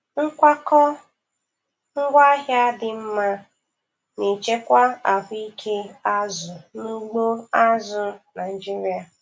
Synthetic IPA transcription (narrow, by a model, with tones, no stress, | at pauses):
ŋ̩˦kʷa˦kɔ˦ | ŋ̩˦ɡʷa˦ɦja˦dɪ˨m̩˦ma˦ | ne˨t͡ʃe˦kʷa˦a˨vʊ˦i˦kʰe˦a˦zʊ˨nu˦ɡ͡bo˦a˦zʊ˦na˨i˨d͡ʒi˦ɾi˦a˨